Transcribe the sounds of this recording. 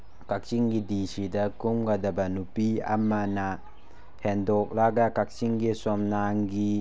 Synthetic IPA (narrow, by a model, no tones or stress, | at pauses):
kak̚t͡ʃiŋɡidisidɐkumɡadɐbɐnupiɐ̰mːana | hʰendɔk̚laɡakak̚t͡ʃiŋɡisɔmnaŋɡi